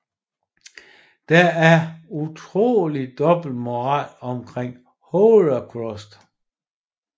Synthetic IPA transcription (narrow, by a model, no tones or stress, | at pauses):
d̥ææɐut͡sʰʁo̝̰ːlid̥ɒ̽b̥l̩d̥mo̝ʁɑ̰̈lɒ̽mkʰʁeŋ̰ | holɐkʰʁɔsd̥